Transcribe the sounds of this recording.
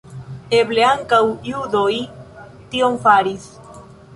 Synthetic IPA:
ebleaŋkawjud̪oj | t̪iomfaɾis

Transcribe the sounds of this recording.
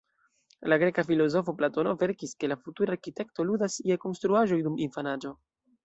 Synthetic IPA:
laɡɾe̞kafilo̞zo̞fo̞plato̞no̞ve̞ɾkiske̞lafutuɾaːɾkite̞kto̞ludasjeko̞nstɾuaʒo̞jduminfanad͡ʒo̞

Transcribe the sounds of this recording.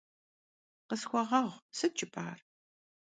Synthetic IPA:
qəsxʷɔʁɐʁʷsɨt͡ʃʼɪpʼa̰ːr

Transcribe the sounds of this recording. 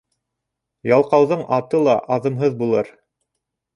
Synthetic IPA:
jɑlˠqɑwðɤɴʔɑt̪ɤlˠɑʔɑðɤ̆mɦɤðbulˠɤɾ

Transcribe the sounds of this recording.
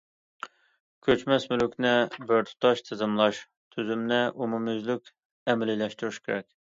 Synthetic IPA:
kʲʰøt͡ʃmɛsmylkʲnɪbɪɾt̪ʰʊ̥t̪ʰɑʃt̪ʰɪzɨmlˠɑʃ | t̪ʰyzymnɪʔumumyzlykʲ | ɛmɪlɪlɛʃt̪uɾyʃkʲʰeɾɛkʲ

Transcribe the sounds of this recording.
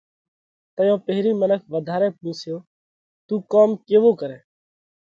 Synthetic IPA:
t̪əjõːpeɦɾiːmənəkʰʋəd̪ʱaːɾẽːpũːsjoː | t̪uːkoːmkeːʋoːkəɾɛ̃ː

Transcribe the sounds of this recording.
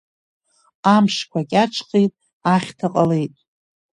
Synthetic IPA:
amʂkʷʰakʲʼaʈ͡ʂʰqejtʼ | aχʲtʰaqʼale̞jtʼ

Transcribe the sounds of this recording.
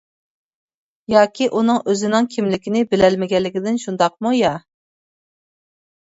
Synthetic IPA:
jɑːkʲʰiʔunɨŋøzɪnɨŋkʲʰimlɪkʲinɪbɪlɛlmɪɡʲɛlːɪkʲɪd̪ɪnʃund̪ɑq̚mujɑ

